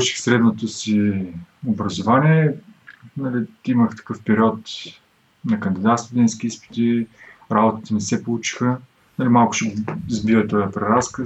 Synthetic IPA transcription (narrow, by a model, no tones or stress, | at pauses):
pˠut͡ʃi̥xsɾɛd̪not̪osi | obɾɐzʊvanʲiɛ | nɐlit̪iməxt̪ɐ̥kɤfpɛɾʲiɔt̪ | nɐkɐnd̪id̪at̪st̪ʊd̪ɛnskʲiispi̥t̪iɾabot̪ət̪ənɛsɛpolˠut͡ʃi̥xə | nɐlimalˠkʊ̥ʃɛzbivət̪ɔjɐpɾɛɾaskə